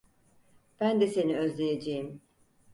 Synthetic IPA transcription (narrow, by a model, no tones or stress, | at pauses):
b̥ænd̪ɛse̞niøzlʲejed͡ʒejim